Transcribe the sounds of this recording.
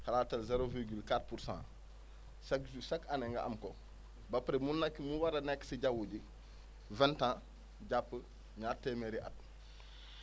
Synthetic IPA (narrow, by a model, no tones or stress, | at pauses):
halaːtalzeɾoviɾɡylkatpuɾsã̰ː | sakusakaneŋɡɐ̰ʔa̰mko | bapɾemunːakːimuwaɾɐnɛkːsiɟawuɟi | vɛntãː | ɟapːə | ɲaːteːmeɾiʔa̰t̚